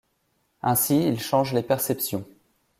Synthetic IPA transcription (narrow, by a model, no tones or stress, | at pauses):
ɛ̃siilʃɑ̃ʒlepɛʁsɛpsjɔ̃